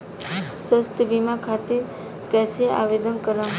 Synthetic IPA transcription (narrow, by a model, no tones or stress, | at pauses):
səst̪əbimakʰat̪iɾ | kɛsea̰ʋed̪ənkəɾəm